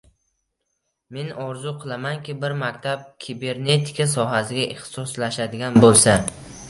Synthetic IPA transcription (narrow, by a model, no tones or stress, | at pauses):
me̞nɒɾzʊqʰɨlˠamankʲɪbɪɾmakʲt̪ʰap̚kʲʰibe̞ɾne̞t̪ʰɪ̥kʰʲas̬ɒɦasɪɡʲaʔɪχt̪ɪ̥sɒslaʃad̪ɪɡʲanbolˠsa